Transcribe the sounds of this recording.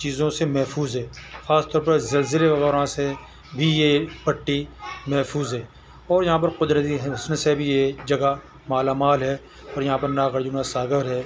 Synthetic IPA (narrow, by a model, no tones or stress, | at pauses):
t͡ʃiːzõsemɛɦfuːzɦɛːxaːst̪ɔːɾpɐɾzɐlzɪleʋɐɣɛːɾõse | bʱijepɐʈːimɛɦfʰuːzɦɛː | ɔːɾjɐɦãːp̬ɐɾqʊd̪ɾət̪̬iɦɦɐsnsebʱied͡ʒɐɡa | maːlaːmaːlɦɛː | ɔːɾjɐɦãːpɐɾnaɣəɾd͡ʒunasaːɡəɾɦɛː